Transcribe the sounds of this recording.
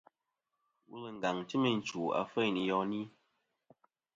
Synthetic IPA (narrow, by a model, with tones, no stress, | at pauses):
wṵ˦le˨ŋ̩˨ɡa˨ŋti˦me˨n̩˨t͡ʃu˨a̰˨fə˦jni˨jɔ˦ni˦